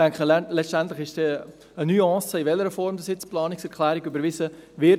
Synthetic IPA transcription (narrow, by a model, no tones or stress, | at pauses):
ɛŋkχəlɛstɛntlɪχɪʃd̥ɛ | ənyːɔ̃ːsəɪvɛləɾəfɔɾmdɑsjɪt͡splɑːnɪksɛɾkʰlɛːɾɪɡybəɾvɪsəvɪ